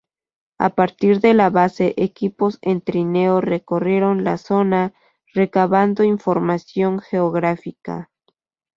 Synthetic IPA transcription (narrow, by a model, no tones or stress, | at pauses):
a̰paɾt̪iɾðe̞laβase̞ʔekipo̞sent̪ɾineore̞ko̞rje̞ɾo̞nlaso̞na | re̞kaβand̪o̞iɱfo̞ɾmasjo̞ŋxe̞oɣɾafika̰